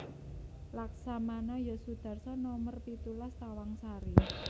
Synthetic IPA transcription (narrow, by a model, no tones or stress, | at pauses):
laksamanɔjɔsud̪̥a̤rsɔnɔmərpit̪ulast̪awaŋsaɾi